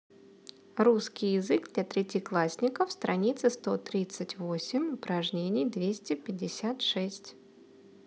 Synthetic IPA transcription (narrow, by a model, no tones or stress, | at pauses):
ruskʲɪjɪzɨɡd̪lʲɐt̪ɾʲɪtʲɪklˠasʲnʲɪkəfst̪ɾʔɐnʲit̪sɨst̪o̞t̪ɾʲit̪sɨtʲvo̞sʲɪmʲʊpɾɐʐnʲenʲɪjd̪vʲesʲtʲɪpʲɪdʲːɪsʲat̪ʂɛsʲtʲ